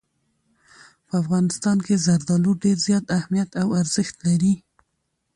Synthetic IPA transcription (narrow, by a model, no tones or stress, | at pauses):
pəafɣɑnɪst̪ɑnkezaɾd̪ɑluɖeɾzjɑt̪ahmijat̪awaɾzɪxt̪laɾi